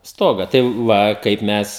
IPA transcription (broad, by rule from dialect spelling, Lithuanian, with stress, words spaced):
ˈstoːɡɐ tɐɪ ˈʋɐ ˈkɐɪp ˈmʲɛs